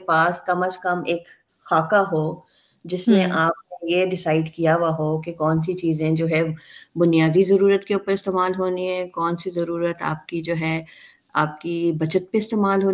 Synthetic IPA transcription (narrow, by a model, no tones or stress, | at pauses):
paːskɐməskɐmeːk | xaːkaɦoː | d͡ʒɪsneʔaːp̚kojeɖɪsaːɪɖkijaʋaɦokekɔːnsit͡ʃiːzẽd͡ʒoːɦɛbʊnijaːd̪izɐɾuːɾət̪keuːpəɾɪst̪eːmaːlɦoːniɦɛkɔːnsizɐɾuːɾət̪a̰ːp̚kid͡ʒoːɦɛː | a̰ːp̚kibɐt͡ʃət̪̚peɪst̪eːmaːlɦoː